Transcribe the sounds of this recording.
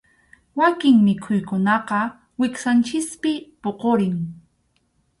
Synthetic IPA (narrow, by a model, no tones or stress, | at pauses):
wakɪŋmɪkʰʊjkʊnɑqɑ | wɪksant͡ʃɪspɪpoqoɾɪŋ